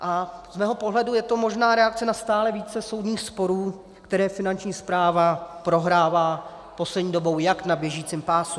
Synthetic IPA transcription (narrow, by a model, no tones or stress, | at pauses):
ʔazmɛːɦo̞poɦlɛdujɛt̪o̞mo̞ʒnaːɾɛak̚t͡sɛnast̪aːlɛviːt͡sɛso̞wdɲiːxspo̞ɾuː | kt̪ɛɾɛːfɪnant͡ʃɲiːspɾaːvapɾo̞ɦɾaːvaː | po̞slɛdɲiːdo̞bo̞wjaknabjɛʒiːt͡sɪmpaːsu